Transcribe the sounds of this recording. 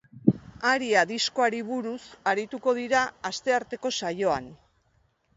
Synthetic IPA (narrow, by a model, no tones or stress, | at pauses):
aɾiaðisko̞aɾiβuɾusaɾit̪uko̞ð̞iɾaːst̪e̞aɾt̪e̞ko̞sajo̞an